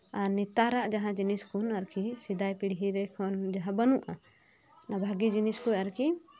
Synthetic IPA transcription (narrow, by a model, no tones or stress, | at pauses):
aɾnit̪aɾaʔd͡ʒaɦãd͡ʒiniskʰunaɾkʰisid̪ajpiɽɦiɾɛkʰɔnd͡ʒaɦãbənuʔa | nabʱaɡid͡ʒiniskujaɾki